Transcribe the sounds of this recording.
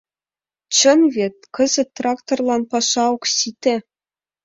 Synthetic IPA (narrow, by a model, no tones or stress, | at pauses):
t͡ɕɤ̆nvʲet̪̚ʲkɤ̆zɘ̆t̪ːrɑkt̪orlˠɑnpɑʂɑokɕit̪ʲɘ̆